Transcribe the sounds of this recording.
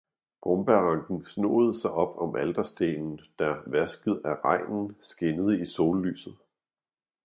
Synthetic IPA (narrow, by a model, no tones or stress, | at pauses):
b̥ʁɔmb̥æɐʁɑ̈ŋɡ̥n̩sno̝̰̽ːð̞̩ˠəsɑ̈ɪʔɒ̽b̥ɒ̽mʔæld̥ɐsd̥e̝̰ːnn̩d̥æɐʋæsɡ̥əð̩ˠæʁɑ̈ɪ̰nn̩sɡ̥enəð̞̩ˠəiso̝ːlly̰ːsð̩ˠ